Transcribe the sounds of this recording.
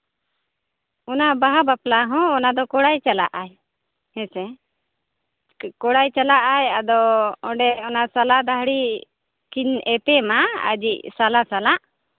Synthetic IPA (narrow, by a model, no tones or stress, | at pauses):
ɔnabaɦabaplaɦɔ̃ːnad̪ɔkɔɽajt͡ʃala̰ʔaj | hɛ̃sɛ | kɔɽajt͡ʃalaʔajad̪ɔɔ̃ɖɛɔnasalad̪aɦɽi | kinɛpɛmaə̰d͡ʒiʔsalasalaʔ